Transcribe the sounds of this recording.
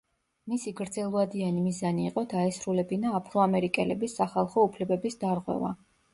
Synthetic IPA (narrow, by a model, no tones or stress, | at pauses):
misiɡɾd̪zɛlˠvad̪ianimizaniːqʼɔd̪aɛsɾulɛbinaːpʰɾɔamɛɾikʼɛlɛbisːaχalˠχɔupʰlɛbɛbisd̪aɾʁwɛ̰va̰